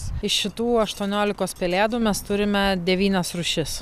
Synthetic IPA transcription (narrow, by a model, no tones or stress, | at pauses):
ɪʃʃʲɪt̪uːɐʃt̪uɔnʲoːlʲɪkoːspʲɛlʲeːd̪uːmʲɛst̪ʊɾʲɪmʲɛd̪ʲɛʋʲiːnʲɛsɾʊʃʲɪs